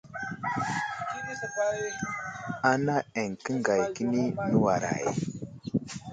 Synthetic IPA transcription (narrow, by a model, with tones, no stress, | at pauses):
a˦na˦e˨ŋkə˦ŋɡa˨jki˦ni˦nə˦wa˨ɾa̰˨j